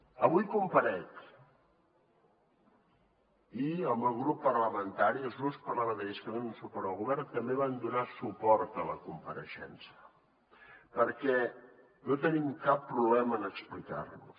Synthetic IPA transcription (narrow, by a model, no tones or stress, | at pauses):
əβujkumpəɾɛʎ | iəmbəlˠɣɾupːərləmənt̪aɾiəlˠzɣuspərlaβəðəəskənenunsupɔɾðəlˠɣuβɛrnt̪əmbeβand̪unasupɔɾt̪ələkumpəɾəʃɛ̰nsiə | pəɾkɛ | not̪ənimkapːɾuβlɛməːnəksplika̰rlṵs